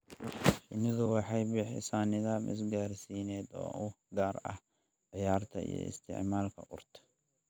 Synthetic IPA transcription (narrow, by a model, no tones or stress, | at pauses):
ʃɪnɪðʊwɑħɑjbɪħɪ̰sanɪðaːmʔɪ̰s̬ɡaːɾsiːnɛːd̪ɔ̰ːʔʊ | ɡaːrɐ̰h | ʕɪjaːrt̪ʰɐ̰ḭjɔ̰ɪ̰st̪ʰɪ̰ʕmaːlkʰɐ̰ʔʊrt̪ʰɐ̥